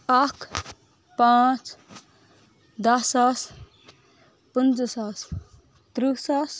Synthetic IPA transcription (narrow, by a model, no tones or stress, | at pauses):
akʰ | pãt͡ʃ | d̪ɐsas | pənd͡ʒsas | t̪ɾisas